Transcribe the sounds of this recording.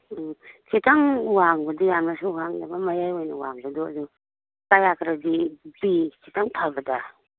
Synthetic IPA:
kʰitaŋwaŋbɐdɔjamnasuhaŋdabamajajojnɐwaŋbɐdɔa̰du | kajakʰɾadibikʰitaŋpʰabɐda

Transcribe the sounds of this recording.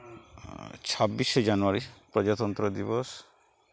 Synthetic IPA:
t͡ʃʰabised͡ʒanuaɾipɾɔd͡ʒat̪ɔnt̪ɾɔd̪ibɔs

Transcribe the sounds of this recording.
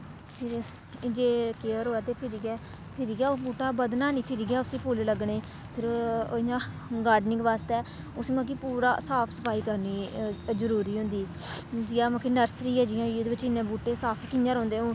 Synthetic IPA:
pʰɪɾ | d͡ʒeːkeːəɾɦoːɛːt̪eːpʰɪɾiɡɛː | pʰɪɾiːɡjaːobuːʈaːbəd̪naːniːpʰɪɾiɡɪjaːʊsĩːpoːlləɡɳeː | pʰɪɾɪjãː | ɡaːɾɖnɪ̃ŋɡʋaːst̪ɛː | ʊsiːmãːkiːpuːɾa̰ːsaːpʰsə̥pʰaːiːkəɾniːzəɾuːɾiːɦʊ̃nd̪iː | d͡ʒɪjãːmãːkenəɾsɾiːɛːd͡ʒɪjãːieːd̪eːʋɪt͡ʃːɪnːẽːbuːʈeːsaːpʰkɪɲd͡ʒãɾɔ̃ːnd̪eːoː

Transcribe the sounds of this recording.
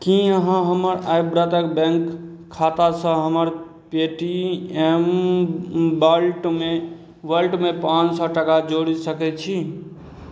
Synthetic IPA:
kĩəɦãɦəməɾajbɾat̪əkbɛ̃ŋkʰː | at̪asə̃ɦəməɾ | peʈiem | bəlʈme | bəlʈmepãt͡ʃsɔʈəkad͡ʒoɽisəkɛt͡ʃʰi

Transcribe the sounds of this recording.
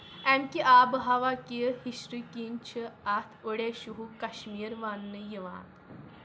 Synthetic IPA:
ɛmkiʔaːbɨɦɐʋakijəhiʃɾikiːnt͡ʃʰɨat̪ʰoɽeːʃuɦukɐʃmiːɾʋaːnːɨjiʋa̰ːn

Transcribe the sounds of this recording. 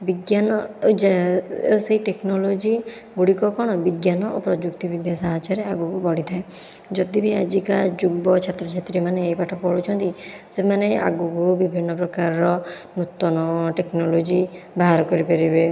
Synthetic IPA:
biɡjanɔd͡ʒ | seiʈeknolod͡ʒi | ɡuɽikɔkɔɽ̃ɔbiɡjanɔopɾɔd͡ʒukt̪ibid̪ʱjasaɦat͡ʃɔɾeaɡukubɔɽit̪ʰae | d͡ʒɔd̪ibʱiad͡ʒikad͡ʒuɡbɔt͡ʃʰat̪ɾɔt͡ʃʰet̪ɾimaneːjpaʈʰɔpɔɭut͡ʃʰɔnt̪isemanea̰ɡukubibʱinːɔpɾɔkaɾɔɾɔnut̪ːɔnɔʈeknolod͡ʒibaɦaɾkɔɾipeɾibe

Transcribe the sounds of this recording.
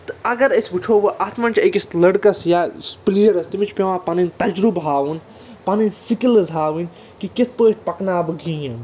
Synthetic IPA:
t̪ɨɐɡɐɾɐsʲbut͡ʃʰoːʋɐʔɐt̪ʰmɐnʲt͡ʃʰekislɐɽkɐsjaːspliːɐɾɐst̪imit͡ʃʰpʲeʋãːpɐnint̪ɐd͡ʒɾubɦaːʋɨn | pɐninsikilɐzɦaːʋinʲ | kikit̪ʰpəːt͡ʃʲpɐknaːbɨɡʱĩjɐn

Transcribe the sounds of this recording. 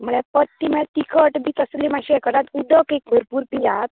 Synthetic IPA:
muɭɛpət̪ːimɛt̪ikʰəʈbiːt̪əslimaɕiɛkəɾat̪ud̪əkek̚bʱəɾpuːɾpijat̪̚

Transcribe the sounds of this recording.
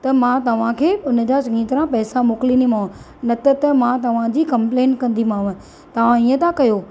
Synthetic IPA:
t̪ɐmãt̪ɐʋ̤ãkʰeːʊnə̆d͡ʑasɐŋĩːt̪ɐɾãpɛːsamoːklinimãː | nɐt̪ət̪ɐmãt̪ɐʋ̤ãd͡ʑiːkɐ̃mpleːnkɐ̃nd̪imãːʋə̃ | t̪ɐʋ̤ãiːə̃t̪ʰãkɐjoː

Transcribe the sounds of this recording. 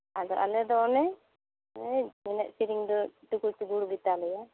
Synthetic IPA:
ad̪ɔʔa̰lɛd̪ɔɔnɛ | minɛʔ̚siɾiŋd̪ɔʈukult̪iɡuɽbit̪alɛja

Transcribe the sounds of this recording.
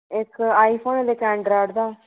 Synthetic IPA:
ɪkːaːipʰoːnd̪ekɛ̃ːɳɖɾaːʈd̪aː

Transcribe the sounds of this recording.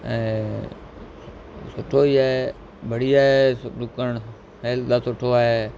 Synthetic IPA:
ɛ̃ː | sʊʈʰoːiːae | bəɽiːaːɦeɖʊkəɳ | heːld̪aːsʊʈʰoːaːɦeː

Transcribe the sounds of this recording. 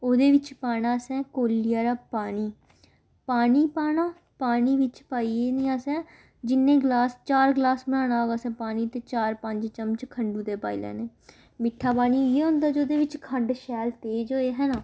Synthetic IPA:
oːd̪eːʋɪt͡ʃpaːɽ̃aːsɛ̃ːkoːlɪjaːɾaːpaːniː | paːniːpaːnaː | paːniːʋɪt͡ʃpaːiːeːnĩːaːsɛ̃ː | d͡ʒɪnːẽːɡlaːst͡ʃaːɾɡlaːsməɽãːnaːʋasɛ̃ːpaːniːt̪eːt͡ʃaːɾpəɲd͡ʒt͡ʃəmt͡ʃkʰəɳɖũːt̪eːpa̰ːḭlɛ̰ːneː | mɪʈʰːaːpaːniːeːɦʊ̃ːnd̪aːd͡ʒoːd̪eːʋɪt͡ʃkʰəɳɖʃɛːlt̪eːd͡ʒɦoːeːɦɛːnaː

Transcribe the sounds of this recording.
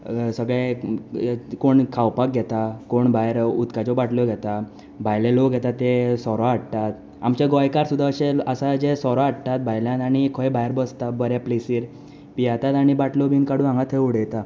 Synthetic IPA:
səɡɭe | koɳkʰawpak̚ɡʱɛt̪akoɳbajɾut̪kat͡ɕɔbaʈʰlɔɡʱɛt̪a | bʱajleloɡʱɛt̪at̪ːesɔɾɔaɽt̪at̪ | a̰mt͡ɕaɡɔjkaɾsud̪ːaəɕeəsad͡ʑesɔɾɔaɽt̪at̪̚bʱajljãt̪aɽ̃ikʰəjbʱajɾbəst̪abəɾjaplesiːɾ | pijat̪at̪aɽ̃ibaʈʰlɔbʱinkaɽũãŋɡat̪ʰeuɽ̤ejt̪a

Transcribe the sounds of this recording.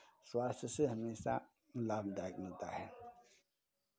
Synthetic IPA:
swaːst̪ʰəsɨɦəmeːsa̰ | lab̚d̪ak̚nət̪a̰ɦɛ

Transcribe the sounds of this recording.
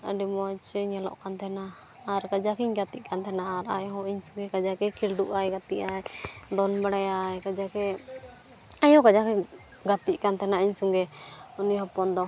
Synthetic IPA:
ə̰ɖimɔt͡ʃɛɲɛlɔ̰ʔkant̪ʰɛnaː | ɾkad͡ʒakiɲɡat̪iʔ̚kant̪ʰɛnaaɾa̰jɦɔ̃iɲsuŋɡɛkad͡ʒakɛkʰilɖuʔajɡat̪iʔajd̪ɔnbaɽajajkad͡ʒakɛ | ajɔ̃kad͡ʒakɛ | ɡat̪iʔ̚kant̪ɛnaiɲsuŋɡɛuniɦɔpɔnd̪ɔ

